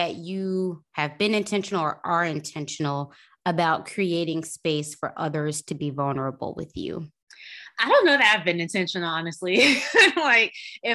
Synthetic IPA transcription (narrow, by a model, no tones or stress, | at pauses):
ɨt͡ʃɨɨvbɨ̃nɨ̃ntʰɛ̃nʃnl̩ˠə˞ʔə˞ɨ̃ntʰɛ̃nʃɨn̩l̩ˠ | əbaʊt̚kʰɹ̥ieɪɾɪ̃ŋspeɪsfə̰˞ʔʌðə˞z̥tʰɨbivʌlˠnə˞əbl̩ˠwɪ̰ðjʉ̰ | ʔaɪɾõʊ̃nːoʊðɨɾaɪvbɨ̃nɨ̃ntʰɛ̃nʃɨ̃n̩l̩ɑnɨstˡlilaɪkɪ